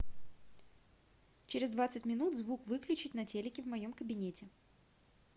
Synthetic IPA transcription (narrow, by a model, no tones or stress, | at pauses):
t͡ɕɪɾʲɪzd̪vat̪sɨtʲmʲɪnut̪zvukvɨklʲʉt͡ɕɪtʲnɐtʲelʲɪkʲɪvmɐjomkəbʲɪnʲetʲɪ